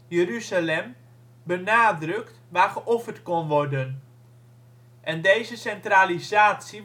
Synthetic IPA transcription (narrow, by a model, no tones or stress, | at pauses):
jəryzalɛm | bənaːdrɵktʋaːχəʔɔfərtkɔnʋɔrdən | ʔɛndejzəsɛntralizaːtsi